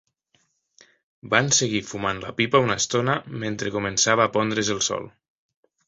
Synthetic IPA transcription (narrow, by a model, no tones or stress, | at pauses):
banseɣifumanla̰pipaunast̪onament̪ɾekumensaβaːpɔnd̪ɾezəlˠsɔ̰lˠ